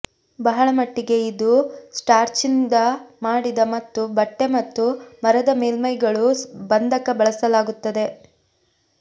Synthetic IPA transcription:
bɐɦɐɭɐmɐʈːiɡe̞id̪usʈaːɾt͡ʃind̪ɐmaːɽid̪ɐmɐt̪ːubɐʈːe̞mɐt̪ːumɐɾɐd̪ɐmeːlmɐjɡɐɭubɐnd̪ʱɐkɐbɐɭɐsɐlaːɡut̪ːɐd̪e̞

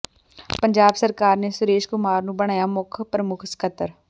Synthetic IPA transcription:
pə̃ɲd͡ʒaːbsəɾkaːɾnesʊɾeːʃkʊmaːɾnũːbəɽ̃aːjaːmʊkʰpɾəmʊkʰskʰət̪əɾ

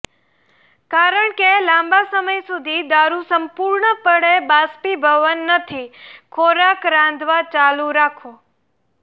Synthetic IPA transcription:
kaɾəɳkelãmbasəməjsud̪ʱid̪aɾusəmpuɾɳəpəɽebaspibʱəʋənːət̪ʰikʰoɾakɾãnd̪ʱʋat͡ʃaluɾakʰõ

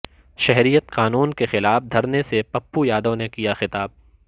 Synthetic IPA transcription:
ʃɛɦɾijət̪qaːnuːnkexɪlaːfd̪ʱɐɾnesepɐpːujaːd̪õnekijaxɪt̪aːb̚

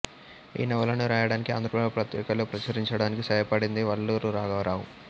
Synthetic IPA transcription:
ḭːnɐʋɐlɐnuɾaːjɐɽaːnikia̰ːnd̪ɾɐpɐɭpɾɐt̪jɛːkɐloːpɾɐt͡ʃɐɾiɲt͡ʃɐɽaːnikisɐjɐpɐɽind̪iʋɐɭːuːɾuɾaːɡɐʋɾaːwu

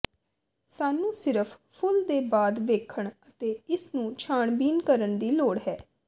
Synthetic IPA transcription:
saːnũːsɪɾəpʰpʰʊld̪eːbaːd̪ʋeːkʰəɳət̪eːɪsnũːt͡ʃʰaːɳbiːnkəɾənd̪iːloːɽɦɛː

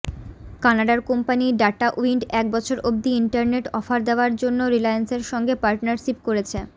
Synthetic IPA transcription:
kanaɖaɾkompaniɖaʈaʔuiɳɖɛk̚bɔt͡ɕʰoɾʔob̚d̪iiɳʈaɾneʈɔfaɾd̪eoaɾd͡ʑonːoɾilajanseɾʃɔŋɡepaɾʈnaɾʃip̚koɾet͡ɕʰe

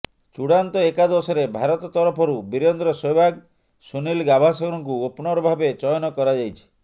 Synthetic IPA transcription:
t͡ʃuɽant̪ɔekad̪ɔsɔɾebʱaɾɔt̪ɔt̪ɔɾɔpʰɔɾubiɾɔnd̪ɾɔsojbʱaɡ | sunilɡabʱasɔɡɾɔŋkuopnɔɾɔbʱabet͡ʃɔjɔnɔkɔɾad͡ʒajt͡ʃʰi̥

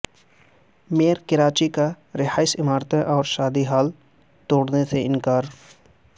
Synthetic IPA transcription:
meːɾkɪɾaːt͡ʃika | ɾɪɦaːɪsɪmaːɾt̪ẽʔɔːɾʃaːd̪iɦaːl | t̪oːɽneseɪ̃nkaːɾ

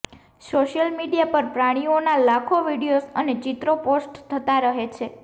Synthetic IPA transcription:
soʃjəlmiɽijapəɾpɾaɽ̃ionalakʰoʋiɽiosəned͡ʒit̪ɾoposʈt̪ʰət̪aɾəɦet͡ʃʰe

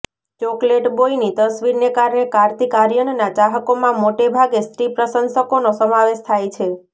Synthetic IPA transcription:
t͡ʃokleʈboinit̪əsʋiɾnekaɾɳekaɾt̪ikaɾjəɳnat͡ʃaɦəkomãmoʈebʱaɡest̪ɾipɾəsənsəkonosəmãʋeʃt̪ʰajt͡ʃʰe

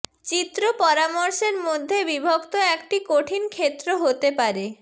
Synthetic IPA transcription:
t͡ɕit̪ːɾopɔɾamoɾʃeɾmod̪ʱːebibʱokt̪oɛkʈikoʈʰinkʰet̪ːɾoɦot̪epaɾe

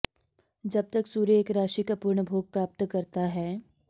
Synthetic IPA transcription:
d͡ʒɐb̚t̪ɐksuːɾjəeːkɾaːʃikapuːɾɳəbʱoːɡ̚pɾaːp̚t̪kɐɾt̪aɦɛː

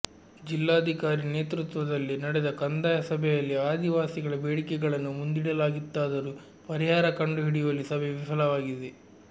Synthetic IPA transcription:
d͡ʒilːaːɐd̪ʱikaːɾineːt̪ɾut̪ʋɐd̪ɐlːinɐɽɛd̪ɐkɐnd̪aːjɐsɐbʱɛjɐlːiaːd̪iʋaːsiɡɐɭɐbeːɽikɛɡɐɭɐnːumund̪iɽɐlaːɡit̪ːaːd̪ɐɾuː | pɐɾiɦaːɾɐkɐɳɖuɦiɽijolisɐbʱɛʋifɐlɐʋaːɡid̪e

